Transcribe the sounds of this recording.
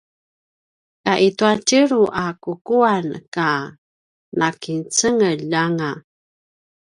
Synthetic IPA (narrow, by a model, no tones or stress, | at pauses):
kaʔituatəɾuʔakukuanka | nʔakint͡səŋəʎaŋa